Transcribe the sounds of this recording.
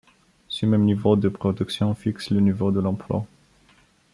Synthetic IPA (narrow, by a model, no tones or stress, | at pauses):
səmɛmnivod̪əpχɔd̪yksjɔ̃fikslənivod̪əlɑ̃plwa̰